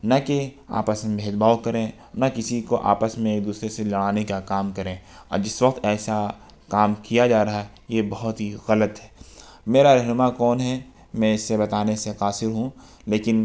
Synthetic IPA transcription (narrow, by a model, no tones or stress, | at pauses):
nɐkea̰ːpəsmẽbʱeːd͡ʒbaːokɐɾẽ | nɐkɪsikoʔa̰ːpəsmẽeːk̚d̪uːsɾeselɐɽaːnekakaːmkɐɾẽːɔ̰ːɾd͡ʒɪsʋɐqt̪ɛːsa | kaːmkijad͡ʒaːɾɐɦaɦɛ | jebɐɦʊt̪ɦiɣɐlət̪ɦɛ̥ː | meːɾaɾɛɦnʊmakɔːnɦɛ | mɛ̃ɪsːebɐt̪aːneseqaːsɪɾɦũ | leːkɪn